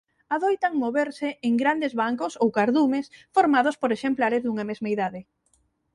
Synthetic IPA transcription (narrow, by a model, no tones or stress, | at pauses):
aðojt̪aŋmoβeɾsɪʔeŋɡɾand̪ezβaŋkosowkaɾðumesfoɾmaðʊspoɾeʃemplaɾezðuŋɐmezmaiðaðɪ